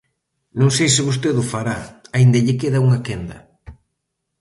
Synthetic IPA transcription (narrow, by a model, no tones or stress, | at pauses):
nõŋsejsɪβost̪eðʊfaɾaaind̪ɐʎɪkeðauŋakend̪ɐ̰